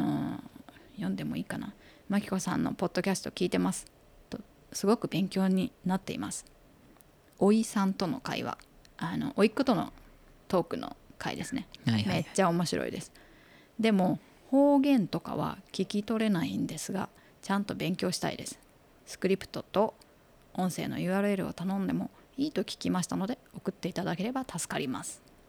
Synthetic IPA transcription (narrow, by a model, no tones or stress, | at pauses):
ano̰ | jõ̞nd̪e̞mo̞iːkanamakʲi̥ko̞sã̰nːo̞̰po̞d̪ːo̞kʲasɨ̥t̪o̞kʲiːt̪e̞masɨ̥ | t̪ːo̞ | sɨɡo̞kɯ̟bẽ̞ŋkʲo̞ːɲ̟inat̪ːe̞ḭmasɨ̥ | o̞isãnt̪o̞no̞̰ka̰ḭβa̰ | ano̞̰ʔoikːɯt̪o̞no̞̰ | t̪o̞ːkɯ̟no̰kʰaḭd̪e̞sɨne̞me̞t͡ɕːaomo̞ɕiɾo̰ḭd̪e̞sɨ̥ | d̪e̞mo̞ | ho̞ːɡẽ̞nt̪o̞ka̰β̞a̰kʲikʲit̪o̞ɾe̞naĩnd̪e̞sɨɡa̰ | t͡ɕãnt̪o̞bẽ̞ŋkʲo̞ːɕi̥t̪a̰ḭd̪e̞sɨ̥ | sɨ̥kɯ̟ɾʲipɯ̟̥t̪o̞t̪o̞ | õ̞ɰ̃se̞̰ːno̞̰jɯ̟ːaːɾɯ̟e̞ɾɯ̟o̰t̪anõ̞nd̪e̞mo̞iːt̪o̞kʲi̥kʲimaɕi̥t̪ano̞d̪e̞o̞kɯ̟t̪ːe̞it̪ad̪ake̞ɾe̞bat̪asɨ̥kaɾʲima̰sɨ̥